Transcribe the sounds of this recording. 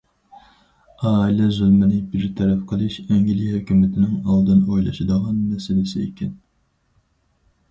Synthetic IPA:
ɑːilɛzylmɪnɪbɪɾt̪ʰɛɾɛfqʰəlˠɨʃɛŋɡʲilihøkʲymɪt̪ʰɪnɪŋɑlˠd̪ɨnojlˠɑ̰ʃɨd̪əʁɑnːɛsɪlɪsɪekʲʰɛn

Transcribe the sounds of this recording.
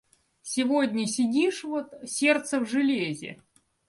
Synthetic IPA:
sʲɪvodʲnʲəsʲɪdʲiʂvot̪sʲe̞rt̪səvʐɨlʲezʲɪ̰

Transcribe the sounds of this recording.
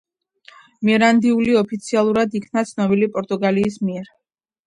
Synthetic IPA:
mɛɾand̪iuliɔpʰit̪sʰialˠuɾad̪ikʰnat̪sʰnɔbilipʼɔɾt̪ʼuɡaliːsmiɛɾ

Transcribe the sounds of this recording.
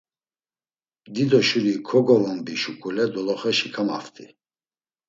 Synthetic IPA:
d̪id̪ɔʃuɾikʰɔɡɔvɔmbiʃukʰʼulɛd̪ɔlɔχɛʃikʰama̰ft̪ʰʼi

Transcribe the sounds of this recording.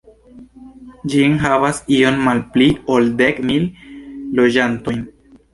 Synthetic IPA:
d͡ʒinɦavasio̞nmalpliold̪ekmilː | od͡ʒant̪o̞jn

